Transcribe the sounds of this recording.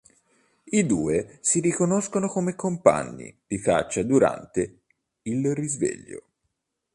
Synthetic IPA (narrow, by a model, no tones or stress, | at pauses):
id̪uːesiɾikonoskonokomekːompa̰ɲːḭd̪̥ika̰t͡ʃːad̪uɾa̰nt̪e | ilrizvḛʎːo̰